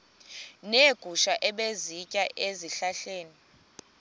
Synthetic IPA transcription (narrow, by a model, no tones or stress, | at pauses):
neɡ̥ʱuʃaʔɛɓezicʼaʔeziɬaɬeːni